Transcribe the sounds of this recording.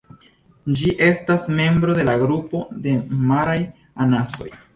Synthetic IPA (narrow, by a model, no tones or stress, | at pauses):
d͡ʒiʔe̞stasme̞mbɾo̞de̞laɡɾupo̞de̞maɾaj | anaso̞̰j